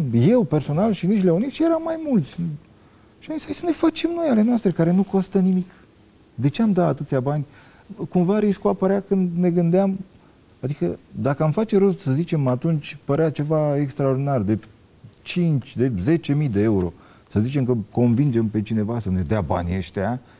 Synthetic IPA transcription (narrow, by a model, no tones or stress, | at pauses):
je̞wpe̞rso̞nalʃiniʃleunit̪ʃijeɾamːajmult̪sʲ | ʃiamisʲaisəne̞fat͡ʃemno̞jale̞nast̪ɾe̞kaɾe̞nuko̞st̪ənimik | d̪e̞t͡ʃe̞amd̪at̪at̪ɨt̪sʲjabanʲ | kumvaɾiskuapəɾeakɨnd̪ne̞ɡɨnd̪eam | ad̪ikəd̪akəamfat͡ʃe̞ɾost̪səzit͡ʃe̞mat̪unt͡ʃʲpəɾeat͡ʃe̞vaekst̪ɾaord̪inard̪e̞ | t͡ʃint͡ʃʲd̪e̞ze̞t͡ʃe̞mid̪e̞e̞uɾo̞̰ | səzit͡ʃe̞mkəko̞nvind͡ʒe̞mpe̞t͡ʃine̞vasəne̞d̪eaba̰nʲə̰ʃt̪ea